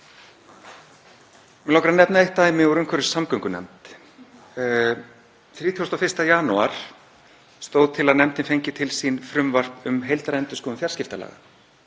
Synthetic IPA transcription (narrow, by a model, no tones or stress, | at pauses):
mɛlɔhkɾanɛpnaejht̪ːaːjmɪuɾʏmkʰœɾɪ̥samkœŋkʏnɛ̰mt̪ | θɾiːt̪ʰiɔst̪awfɪ̥st̪ajaːnuaɾ̥ | st̪owðt̪ʰɪlaðnɛmt̪ɪnfejɲcɪt̪ʰɪlsinfɾʏmvar̥pʏmɦejlt̪aɾɛnt̪ʏskɔʏmfjar̥scɪft̪ala̰ːɣa̰